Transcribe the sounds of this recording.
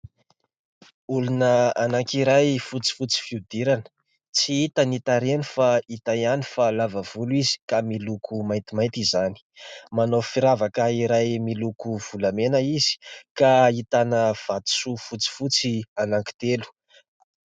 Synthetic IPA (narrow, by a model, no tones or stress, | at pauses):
ulunəanaŋkiɾajfut͡si̥fut͡si̥fiud̪iɾanə̥ | t͡siit̪anit̪aɾenifait̪ajanifalavav̥uluizi̥kamilukʰumajnt̪imajt̪izani̥manofiɾavakaiɾajmilukuv̥ulamenəizi̥kait̪anəv̥at̪u̥sufut͡si̥fut͡sianaŋki̥t̪elu̥